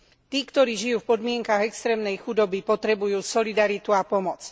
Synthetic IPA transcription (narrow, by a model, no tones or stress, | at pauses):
t̪iːkt̪ɔɾiːʒijuːfpɔd̪mɪɛŋkaɣɛkst̪ɾɛːmnɛjxud̪ɔbipɔt̪ɾɛbujuːsɔlid̪aɾit̪uapɔmɔt͡s